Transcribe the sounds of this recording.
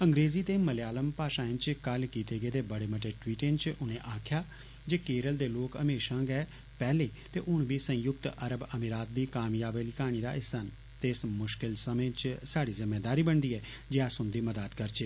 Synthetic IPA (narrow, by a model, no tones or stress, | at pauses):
əŋɡɾeːziːt̪eːməlejaːləmpaːʃãːɪ̃nt͡ʃkəlkiːt̪eːɡeːd̪eːbəɽeːməʈeːʈwiːʈẽnt͡ʃʊnẽːʔaːkʰjaː | d͡ʒeːkeːɾəld̪eːloːkəmeːʃãːɡɛː | pɛːleːt̪eːʔʊnʋiːsə̃jʊk̚t̪əɾəbəmiɾaːt̪̚d̪iːkaːmjaːbeːliːkaːɽ̃iːd̪a̰ːʔɪsən | t̪eːsmʊʃkɪlsəmẽːt͡ʃsaːɽiːzɪmːeːd̪aːɾiːbəɳd̪iːɛː | d͡ʒeːaːsʊnd̪iːməd̪aːt̪kəɾt͡ʃeː